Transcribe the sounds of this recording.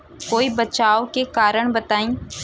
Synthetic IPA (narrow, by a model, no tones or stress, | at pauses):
koːibət͡ʃaːokekaːɾəɽ̃bət̪aːĩː